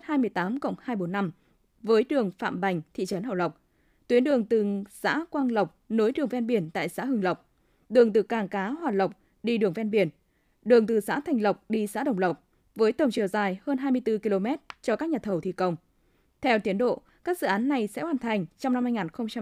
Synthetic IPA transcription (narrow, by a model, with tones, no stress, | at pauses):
haː˧jmɨ˧əjt̪aː˨˦mkə̰˧˨wŋ͡mhaː˧jɓo˨˦nːa˧m | vəː˨˦jɗɨ˨˩əŋfa̰ː˧˨mɓa˨˩jŋ̟t̪ʰḭ˧˨t͡ɕə˨˦nɦə˧˩wlə˨˩wk͡p̚ | t̪wi˨˦ənɗɨ˨˩əŋt̪ɨ˨˩sa̰ː˧˥kwaː˧ŋlə˨˩wk͡p̚no˨˦jɗɨ˨˩əŋvɛ˧nɓi˧˩ənt̪a̰ː˧˨jsa̰ː˧˥hɨ˧˩ŋlə˨˩wk͡p̚ | ɗɨ˨˩əŋt̪ɨ˨˩kaː˨˩ŋkaː˨˦hwaː˨˩lə˨˩wk͡p̚ | ɗi˧ɗɨ˨˩əŋvɛ˧nɓi˧˩ən | ɗɨ˨˩əŋt̪ɨ˨˩sa̰ː˧˥t̪ʰa˨˩jŋ̟lə˨˩wk͡p̚ɗi˧sa̰ː˧˥ɗə˨˩wŋ͡mlə˨˩wk͡p̚ | vəː˨˦jt̪ə˨˩wŋ͡mt͡ɕɨ˨˩əwzaː˨˩jhəː˧nɦaː˧jmɨ˧əjt̪ɨ˧ki˧lo˧mɛ˦˥t̚t͡ɕɔ˧kaː˦˥k̚ɲaː˨˩t̪ʰə˧˩wt̪ʰi˧˨˩kə˨˧˩wŋ͡m | t̪ʰɛ˧wt̪i˨˦ənɗo̰˧˨ | kaː˦˥k̚zɨ̰˧˨ʔaː˨˦nːa˨˩jsɛ̰˧˥kwaː˨˩nt̪ʰa˨˩jŋ̟t͡ɕɔ˧wŋ͡mna˧mhaː˧jŋaː˨˩nxə˧wŋ͡mt͡ɕa˧